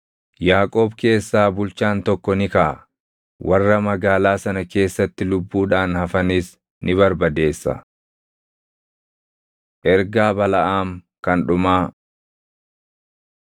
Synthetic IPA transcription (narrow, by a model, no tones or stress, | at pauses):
jaːkʼo̞ːbke̞ːsːaːbʊlt͡ʃaːnt̪ɔkːɔnɪkaː | wʔɐrːɐmɐɡaːlaːsɐnɐke̞ːsːɐt̪ːɪlʊbːuːᶑaːnhɐfɐniːs | nʔɪβɐɾbɐd̪e̞ːsːɐ̰ | ʔɛɾɡaːbɐlɐʔaːŋ | kɐnᶑʊmaː